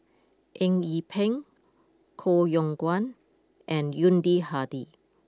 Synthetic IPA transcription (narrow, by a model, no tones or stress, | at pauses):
ʔɛ̃ŋipʰɛ̃ŋ | kʰojɔ̃ŋɡwãn | ʔɛ̃njũndihadi